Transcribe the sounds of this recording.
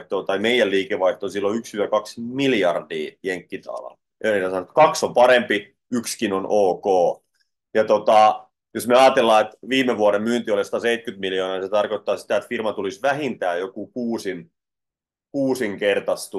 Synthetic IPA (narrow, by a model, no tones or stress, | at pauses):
ht̪oːt̪ɑimeijælliːkeʋʋɑiht̪oːsilːoykshyt̪ækɑksmiljɑrdiːjeŋkːit̪ɑ̰lɑ̰l | eneiːt̪æsɑnot̪kɑksompɑɾempi | ykskinonʔoːkoː | jɑt̪ot̪ɑ | josmeɑːt̪elːɑːet̪ʋiːmeʋuoɾemmyːnt̪iolest̪ɑseit̪̚kyt̪miljoːnɑːniset̪ɑrkot̪ːɑːsi̥t̪æet̪firmɑt̪ulisʋæhint̪æːjokukuːsin | kuːsiŋkert̪ɑst̪u